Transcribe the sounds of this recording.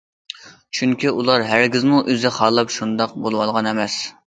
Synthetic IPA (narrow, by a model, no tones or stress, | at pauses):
t͡ʃʰyŋkʲiʔulˠɑɾɦæɾɡʲɪzmuʔøzɪχɑːlˠɑpʃund̪ɑq̚bolˠwɑlˠʁɑnɛmɛs